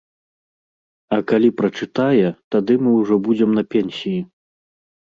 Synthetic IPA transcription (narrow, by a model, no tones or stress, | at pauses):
ɐkalʲipɾɐt͡ʂɨt̪ajɛt̪ad̪ɨmɨwʐɔbud͡zʲɛmnɐpʲɛnʲsʲiji